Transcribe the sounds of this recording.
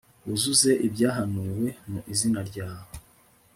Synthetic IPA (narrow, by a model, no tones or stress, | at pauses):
uzuze̞ʔibɟaːɦanuːwe̞muʔizinaɾɟaːwo